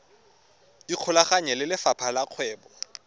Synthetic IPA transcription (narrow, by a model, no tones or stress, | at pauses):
diq͡χʰʊlaχaɲɛlɪlɪfapʰalaq͡χʰwɛːbɔ